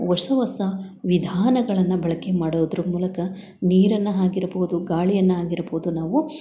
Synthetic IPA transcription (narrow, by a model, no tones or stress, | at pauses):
ʋɐʂɐʋɐsɐʋid̪ʱaːnɐɡɐɭɐnːɐbɐɭɐkemaːɽoːd̪ɐɾumuːlɐkɐ | niːɾɐnːɐɦaːɡiɾɐboɦud̪uɡaːɭijɐnːɐɦaːɡiɾɐboɦud̪unaːʋu